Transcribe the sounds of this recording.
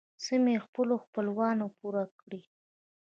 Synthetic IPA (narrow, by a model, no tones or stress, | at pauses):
səmexpəloxpəlwɑnopuɾakɽi